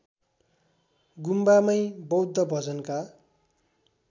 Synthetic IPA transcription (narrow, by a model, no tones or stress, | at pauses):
ɡumbamʌjbʌwd̪ʱːʌbʱʌd͡zʌnka